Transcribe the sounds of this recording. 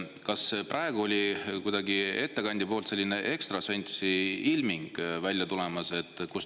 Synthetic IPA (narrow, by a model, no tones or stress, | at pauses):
kɑsprʔɑeɡ̥uo̞lʲikujd̪̥ɑɡie̞t̪ːe̞kɑnʲd̪ipo̞ːlt̪se̞lʲːine̞ʔe̞kst̪rɑsenʲt̪ʲsiilmiŋɡ̥vælʲjɑt̪ule̞mɑse̞t̪ːˑkus